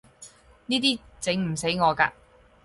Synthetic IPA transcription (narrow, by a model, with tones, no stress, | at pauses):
niː˥t̪iː˥ | t͡sɪ˨˥ŋm̩˨˩se˨˥jŋɔː˨˧ka̰ː˧